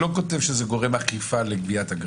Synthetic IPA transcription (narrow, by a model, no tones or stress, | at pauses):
lo̞ko̞te̞vʃezeɡo̞ʁemaχifaleɡbiathaɡ